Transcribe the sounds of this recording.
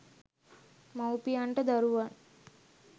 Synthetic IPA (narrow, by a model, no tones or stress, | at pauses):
mãupijaɳʈəd̪aɾuʋan